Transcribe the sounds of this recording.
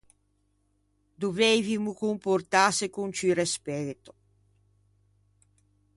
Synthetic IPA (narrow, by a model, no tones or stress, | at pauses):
d̪uveːvimukumport̪aːsekunt͡ʃyrespɛːt̪o̥